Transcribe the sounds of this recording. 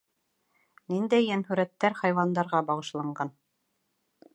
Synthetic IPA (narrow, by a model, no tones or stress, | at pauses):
nind̪æjːænhʉɾæt̪ːæɾχɑjwɑnd̪ɑɾʁɑbɑʁɤ̆ʃlˠɑɴɢɑn